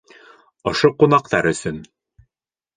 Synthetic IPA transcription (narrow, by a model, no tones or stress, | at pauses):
ŏʃoqunɑqt̪ɑɾɵ̆sɵn